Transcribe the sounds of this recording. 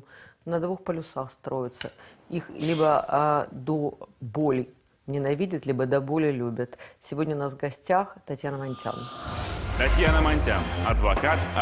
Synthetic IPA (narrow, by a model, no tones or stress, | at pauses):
nɐd̪vuxpəlʲʊsaxst̪ɾo̞jɪt̪səixlʲibəd̪obolʲɪj | nʲɪnɐvʲidʲɪt̪lʲibəd̪ɐbolʲɪjlʲubʲət̪sʲɪvʲo̞dʲnʲəʊnasɡɐsʲtʲaxt̪ɐtʲjanəmɐnʲtʲa̰n | t̪ɐtʲjanəmɐnʲtʲanɐd̪vɐkat̪